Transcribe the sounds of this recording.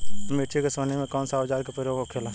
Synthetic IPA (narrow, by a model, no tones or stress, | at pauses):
meːʈʰikesoːnemẽkɔːnsaːd͡ʒaːɾkepɾəɾjoːɡokʰeːlaː